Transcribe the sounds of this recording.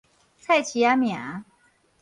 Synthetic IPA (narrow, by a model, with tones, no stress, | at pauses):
t͡sʰa˥˩ɪt͡ɕʰi˨˥a˥mja˨˩˦